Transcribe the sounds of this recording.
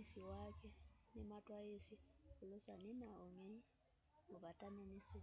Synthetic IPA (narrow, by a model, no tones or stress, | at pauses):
siwakʰʼɛnɛmatʼwaesikʊlɔsaninaɔŋeɲi | ʊβatʼanɛnisi